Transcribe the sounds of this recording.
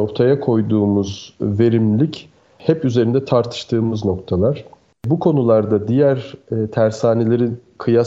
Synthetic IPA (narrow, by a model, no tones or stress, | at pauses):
o̞ɾt̪ʰajakʰo̞jd̪uːmuzve̞ɾimlʲic | hɛpyze̞ɾind̪ɛt̪ʰaɾt̪ʰɯ̥ʃt̪ʰɯːmɯzno̞kt̪ʰalˠaɾ̥ | bukʰo̞nulˠaɾd̪ad̪ijæɾt̪ʰæɾshaːne̞lʲe̞ɾikʰɯja